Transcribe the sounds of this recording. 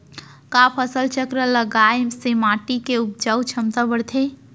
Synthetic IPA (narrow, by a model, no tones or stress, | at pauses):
kapʰəsəlt͡ʃəkɾələɡaːjmsemaːʈikeʊp̚d͡ʒəwt͡ʃʰəmt̪abəɽt̪ʰe